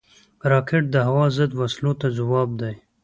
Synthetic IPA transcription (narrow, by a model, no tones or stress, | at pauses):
ɾɑkeʈ̚d̪əɦawɑzəd̪waslot̪azawɑːb̚d̪aj